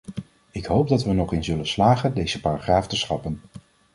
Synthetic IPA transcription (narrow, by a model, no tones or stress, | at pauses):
ɪkɦowp̚dɑtʋənɔχɪnzɵlənslaːχəndejzəpaːraχraːftəsχɑpən